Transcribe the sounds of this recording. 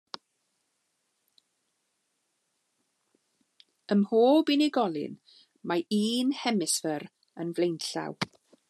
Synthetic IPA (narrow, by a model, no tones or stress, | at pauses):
əmhoːbiniɡɔlˠɨ̰n | maiːnhɛmɪsvəɾ | ənvlejnɬa̰w